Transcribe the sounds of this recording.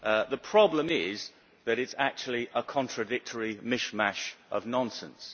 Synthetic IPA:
ʔðəpʰɹ̥ɒblə̃mɪz | ðəɾɪtsak̚t͡ʃul̩ˠiʔəkʰɒ̃ntʰɹ̥ədɪk̚tʰəɹimɪʃmaʃʔəvnɒ̃nsə̰̃ns

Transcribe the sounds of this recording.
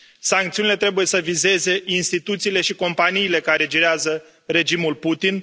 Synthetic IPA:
saŋkt̪siunile̞t̪ɾe̞buje̞səvize̞ze̞inst̪it̪ut̪siːle̞ʃiko̞mpaniːle̞kaɾe̞d͡ʒiɾeazə | ɾe̞d͡ʒimulput̪in

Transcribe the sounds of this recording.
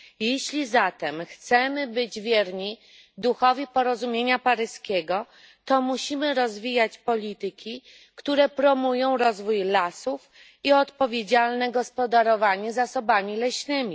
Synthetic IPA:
jeɕlʲizat̪ɛmxt̪sɛmɘbɘd͡ʑvʲjɛɾɲi | d̪uxɔvʲipɔɾɔzumʲjeɲapaɾɘskʲeɡɔ | t̪ɔmuɕimɘɾɔzvʲijat͡ɕpɔlʲit̪ɘkʲi | kt̪uɾɛpɾɔmujɔ̃w̃ɾɔzvujlasuf | iɔt̪pɔvʲjed͡ʑalnɛɡɔspɔd̪aɾɔvaɲɛzasɔbamʲilɛɕnɘmʲi

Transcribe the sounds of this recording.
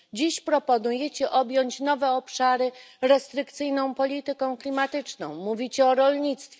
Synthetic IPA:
d͡ʑiɕpɾɔpɔnujet͡ɕɛʔɔbʲjɔɲt͡ɕnɔvɛɔpʂaɾɘɾɛst̪ɾɘkt̪sɘjnɔ̃w̃pɔlʲit̪ɘkɔ̃w̃klʲimat̪ɘt͡ʂnɔ̰̃w̃muvʲit͡ɕɛɔɾɔlɲit̪st̪fʲɛ

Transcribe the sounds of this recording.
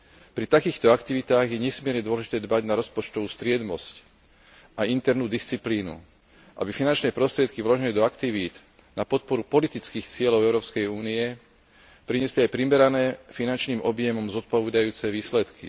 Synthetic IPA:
pɾit̪akiːxt̪ɔakt̪iʋit̪aːɣjɛɲɛsmɪɛɾɲɛd̪ʊɔlɛʒit̪ɛːd̪baɟnaɾɔspɔt͡ʃt̪ɔʋuːst̪ɾɪɛd̪mɔsc | aint̪ɛɾnuːd̪ist͡sipliːnṵ | ʔa̰bifinant͡ʃnɛːpɾɔst̪ɾɪɛt̪kiʋlɔʒɛlid̪ɔakt̪iʋiːd̪ | napɔt̪̚pɔɾupɔlit̪it͡skiːxt͡sɪɛlɔʊɛʊɾɔːpskɛjuːniɛ | pɾiɲɛsliajpɾimɛɾanɛːfinant͡ʃniːmɔbjɛmɔmzɔt̪̚pɔʋɛd̪ajuːt͡sɛʋiːslɛt̪kḭ

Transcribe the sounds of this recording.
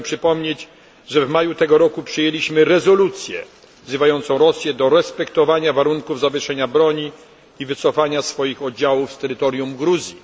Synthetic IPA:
pʂɘpɔmɲet͡ɕ | ʐɛvmajut̪ɛɡɔɾɔkupʂɘjelʲiɕmɘɾɛzɔlut̪sʲjɛ̰ | vzɘvajɔnt̪sɔ̃w̃ɾɔsʲjɛd̪ɔɾɛspɛkt̪ɔvaɲavaɾuŋkuvzavʲjɘʂɛɲabɾɔɲi | ivɘt̪sɔfaɲasfɔjixɔd̪̚d͡ʑawufst̪ɛɾɘt̪ɔɾjumɡɾuzʲji

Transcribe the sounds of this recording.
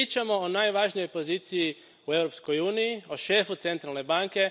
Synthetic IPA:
it͡ʃamo̞onaːjʋaʒnijojpoziːt̪siji | uewɾopskojuːnijioʃe̞ːfut̪se̞nt̪ɾalne̞baŋke̞

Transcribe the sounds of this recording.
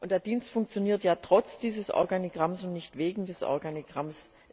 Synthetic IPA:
ʔʊntd̥eːɐd̥iːnstfʊŋkt͡sjoniːɐtjaːtʁ̥ɔt͡sd̥iːzəsʔɔ̰ɐɡaniɡʁamsʊntnɪçtv̥eːɡŋ̩dɛsʔɔ̰ɐɡaniɡ̥ʁams

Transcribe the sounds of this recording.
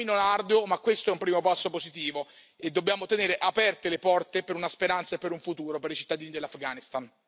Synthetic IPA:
inonard̪omakːwest̪oɛumpɾiːmopasːopozit̪̬iːvo | ed̪ːobjaːmot̪eneːɾeʔapɛrt̪elepɔrt̪epeɾunaspeɾant̪saepːeɾuɱfut̪uːɾopeɾit͡ʃit̪ːad̪iːnid̪elːafɡanist̪an

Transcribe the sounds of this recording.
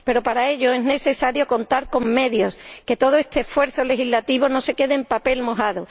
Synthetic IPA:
pe̞ɾo̞paɾae̞ʎo̞e̞zne̞se̞saɾjo̞ko̞nt̪aɾko̞ŋme̞ðjo̞ske̞t̪o̞ð̞oest̪eːsfwe̞ɾθo̞lexizlat̪iβo̞no̞se̞ke̞ðempape̞lmo̞ɦaðo

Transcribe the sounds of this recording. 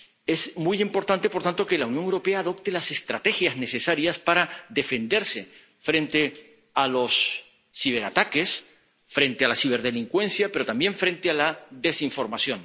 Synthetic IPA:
e̞smujimpo̞ɾt̪ant̪e̞po̞ɾt̪ant̪o̞ke̞launjoŋewɾo̞pe̞aːðo̞pt̪elase̞st̪ɾat̪e̞xjazne̞se̞saɾjaspaɾaðe̞fe̞nd̪e̞ɾse̞ | fɾẽ̞nt̪e̞ | alo̞sː | iβe̞ɾat̪ake̞s | fɾe̞nt̪ealasiβ̞e̞ɾðe̞liŋkwẽ̞nθjape̞ɾo̞t̪ambje̞ɱfɾe̞nt̪ealaðe̞siɱfo̞ɾmaθjõ̞n

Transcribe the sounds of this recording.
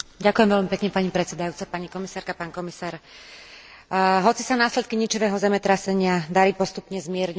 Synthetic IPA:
ɟakujɛmʋɛʎmipɛkɲɛpaɲipɾɛt͡sɛd̪ajuːt͡sapaɲikɔmisaːɾkapaːnkɔmisaːɾ | ɦɔt͡sisanaːslɛt̪̚kiɲit͡ʃiʋɛːɦɔzɛmɛt̪ɾasɛɲɪad̪aɾiːpɔst̪upɲɛzmɪɛɾɲ

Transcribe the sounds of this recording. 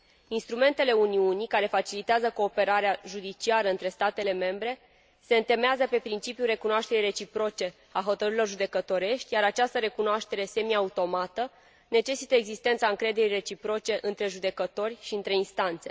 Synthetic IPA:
inst̪ɾume̞nt̪e̞le̞uniunikaɾe̞fat͡ʃilit̪eazəko̞ːpe̞ɾaɾeaʒud̪it͡ʃiaɾəɨnt̪ɾe̞st̪at̪e̞le̞me̞mbɾe̞ | se̞ɨnt̪e̞meazəpe̞pɾint͡ʃipjure̞kunoaʃt̪e̞ɾire̞t͡ʃipɾo̞t͡ʃe̞ | aɦo̞t̪əɾɨɾilo̞rʒud̪e̞kət̪o̞ɾe̞ʃt̪ʲjaɾat͡ʃast̪əɾe̞kunoaʃt̪e̞ɾe̞se̞miaut̪o̞mat̪ə | ne̞t͡ʃe̞sit̪əeɡzist̪ent̪saɨŋkɾe̞d̪e̞ɾire̞t͡ʃipɾo̞t͡ʃe̞ʔɨnt̪ɾe̞ʒud̪e̞kət̪o̞rʲʃiɨnt̪ɾe̞inst̪ant̪se̞̰

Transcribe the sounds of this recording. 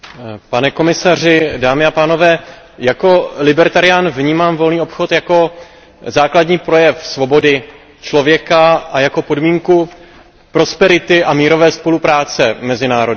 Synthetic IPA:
panɛko̞mɪsar̝ɪdaːmɪapaːno̞vɛː | jako̞lɪbɛɾt̪aɾɪjanvɲiːmaːmvo̞lniːo̞pxot̪jako̞ | zaːkladɲiːpɾo̞jɛfsvo̞bo̞dɪ | t͡ʃlo̞vjɛkaʔajako̞po̞dmiːŋku | pɾo̞spɛɾɪt̪ɪʔamiːɾo̞vɛːspo̞lupɾaːt͡sɛmɛzɪnaːɾo̞

